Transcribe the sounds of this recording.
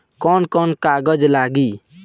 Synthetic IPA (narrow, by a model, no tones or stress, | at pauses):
kɔnkɔnkaɡɔd͡ʒlaɡi